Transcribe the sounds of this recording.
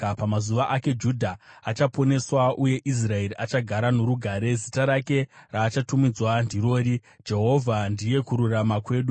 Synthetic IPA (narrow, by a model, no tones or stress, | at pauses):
pamazuʋaʔake̞d͡ʒudʱaat͡ʃapo̞ne̞swaʔuje̞ʔis̬rae̞riʔat͡ʃaɡʱaɾano̞ɾuɡʱaːɾe̞zitaɾake̞raːt͡ʃatumid͡zwandiɾo̞ːɾi | d͡ʒe̞ɦo̞vʱandije̞kuɾuramakwe̞ːɗu